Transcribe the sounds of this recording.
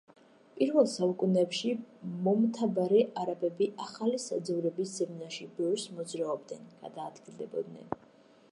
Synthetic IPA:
pʼiɾvɛlˠsaukʼunɛpʃimɔmt̪ʰabaɾɛʔaɾabɛbiʔaχalisad̪zɛvɾɛbisz̥ɛmnaʃibɛɾsmɔd̪zɾaɔb̚d̪nɛnɡ̥a̰d̪aːd̪ɡilˠd̪ɛbɔ̰d̪nɛ̰n

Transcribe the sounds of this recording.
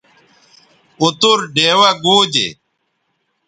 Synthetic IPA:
ut̪uɾɖeːwɐɡuːd͡ʑḛ

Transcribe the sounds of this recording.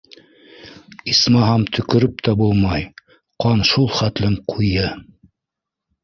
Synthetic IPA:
ismɑɦɑmt̪ʰɵ̆kɵ̆ɾɵp̚t̪ʰæbulˠmɑj | qɑnʃulˠχæt̪lɘmqʰujɤ

